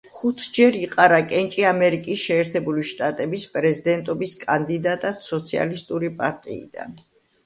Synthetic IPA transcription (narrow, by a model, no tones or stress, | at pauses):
χut̪ʰd͡ʒɛɾiqʼaɾakʼɛnt͡ʃʼiamɛɾikʼisʃɛːɾt̪ʰɛbuliʃt̪ʼat̪ʼɛbispʼɾɛzid̪ɛnt̪ʼɔbiskʼand̪id̪at̪ʼat̪sɔt̪sʰia̰list̪ʼuɾipʼa̰ɾt̪ʼḭḭd̪a̰n